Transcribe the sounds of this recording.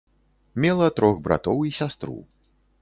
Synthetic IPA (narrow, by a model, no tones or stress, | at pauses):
mʲɛlˠɐt̪ɾɔɣbɾa̰t̪ɔwisʲast̪ɾṵ